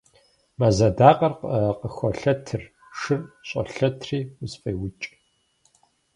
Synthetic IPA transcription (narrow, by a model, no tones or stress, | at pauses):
mazɐdaːqʼɐrqɐqəxʷɔɬɐtʰɨr | ʂɨrɕʼɐ̰ɬɐtʰriːʊzfʼeːwʊt͡ʃʼ